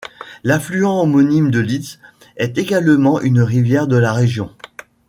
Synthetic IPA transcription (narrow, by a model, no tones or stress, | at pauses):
laflyɑ̃ɔmɔnimd̪əlit̪s | ɛt̪eɡalmɑ̃ʔynʁivjɛʁd̪əlaʁeʒjɔ̃